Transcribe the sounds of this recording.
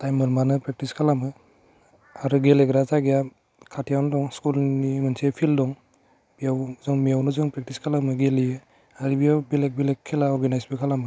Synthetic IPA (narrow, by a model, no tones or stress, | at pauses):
tajmɯɾmanɯpɾek̚tiskʰalamɯ | aɾuɡeleɡɾazaɡija | kʰatʰijawndɔŋskulnimɯnsepʰildɔŋ | b̥ijawzɔŋmijawnɯzɔŋpɾek̚tiskʰalamɯɡelijɯ | aɾibijabelek̚bilekʰːelaɔɾɡenajsbikʰalamɯ